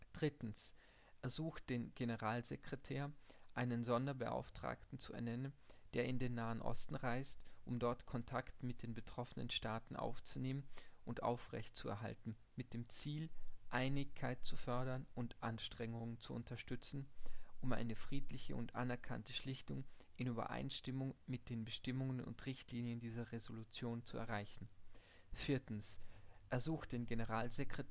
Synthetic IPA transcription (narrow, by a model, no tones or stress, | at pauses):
d̥ʁɪtn̩s | ʔɛɐzuːxt̚d̥eːnɡ̥enəʁaːlzekʁ̥etʰeːɐʔaɪnənzɔndɐbəʔa̰ʊftʁ̥a̰ːktn̩t͡suɛ̰ɐnɛnənd̥eːɐɪndeːnːaːənʔɔ̰stn̩ʁaɪstʔʊmdɔɐtkʰɔntʰaktmɪt̚d̥eːnbətʁ̥ɔfənə̰nʃtaːtn̩ʔa̰ʊft͡suneːmənʔʊntʔa̰ʊfʁ̥ɛ̰çt̚t͡suɛɐɦa̰ltn̩ | mɪt̚d̥eːmt͡siːlʔaɪnɪçkʰaɪt̚t͡sufœɐɾɐnʊntʔa̰nʃtʁ̥ɛŋʊŋət͡suʔʊntʰɐʃtʏt͡sn̩ʔʊmʔa̰ɪnəfʁ̥iːtlɪçəʊntʔa̰nɛɐkʰa̰ntə̥ʃlɪçtʊŋʔɪnyːbɐ̰ʔa̰ɪnʃtɪmʊŋmɪt̚d̥eːnbəʃtɪmʊŋənʊ̰ntʁɪçtliːnjəndiːzɐʁezolut͡sjoːnt͡suɛ̰ɐʁaɪçn̩ | fɪːɐtn̩sʔeːɐzuːxt̚d̥eːnɡenəʁaːlzekʁ̥e